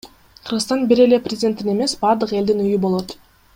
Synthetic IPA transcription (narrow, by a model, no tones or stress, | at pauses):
qʰɯɾʁɯst̪ɑnbiɾe̞le̞prʲɪzʲdʲe̞nt̪ːine̞me̞sbɑɾd̪ɯqe̞ld̪inyjybo̞lˠo̞t̪